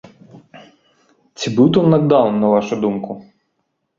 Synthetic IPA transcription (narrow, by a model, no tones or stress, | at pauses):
t̪t͡sʲibut̪ɔwnɐɡd̪ɑwnnɐʋɑʃʊd̪umkʊ